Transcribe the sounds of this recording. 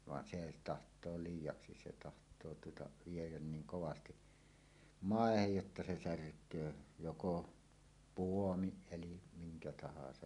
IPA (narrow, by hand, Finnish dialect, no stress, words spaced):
ʋɑn se tɑhtˑoː liːjˑɑksi se tɑhtˑoː tuotɑ ʋiejæn niːŋ koʋɑsti mɑˑehej jotːɑ se særkˑøː joko puomiʔ ʔelim miŋkæ tɑhɑsɑj